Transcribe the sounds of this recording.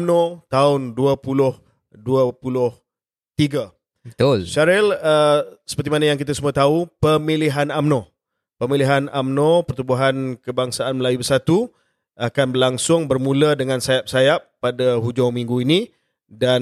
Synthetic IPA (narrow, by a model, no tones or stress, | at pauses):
mnot̪aʊnduəpulʊh | duəpulʊh | t̪iɡa | ət̪ʊlʃaɾɛləsə̥pərt̪imanajaŋkit̪asumuat̪aupəmiliɦanamno | pəmiliɦanamnõpərt̪ubuɦankəbaŋsaanməlajubərsat̪u | akanbəlaŋsʊŋbərmũlədəŋãnsajap̚sajapːadaɦud͡ʒaŋmĩŋɡuini | dan